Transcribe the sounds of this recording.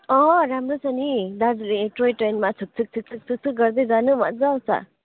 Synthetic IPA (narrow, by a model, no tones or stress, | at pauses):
ɔɾamɾɯsanid̪aɾliʈɾɔjtɾajnmat͡sʰɯk̚t͡sʰɯk̚t͡sʰɯk̚t͡sʰɯk̚t͡sʰɯk̚t͡sʰɯk̚ɡʌɾd̪ezanɯmat̚zawsa̰